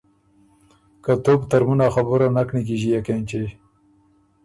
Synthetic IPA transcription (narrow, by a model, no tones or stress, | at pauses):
kat̪opt̪aɾmunaxabuɾanaknik̬iʒijakent͡ʃe